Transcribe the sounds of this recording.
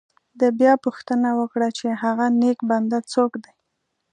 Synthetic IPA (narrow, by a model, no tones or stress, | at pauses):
d̪əbjɑpuxt̪ənawəkɽat͡ʃeɦaɣanekband̪at͡sokd̪aj